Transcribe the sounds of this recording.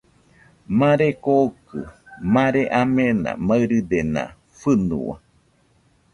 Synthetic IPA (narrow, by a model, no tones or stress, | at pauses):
mãɾekokɨmãɾeʔamenã̰maɨɾɨd̪enã̰ | fɨnṵwa̰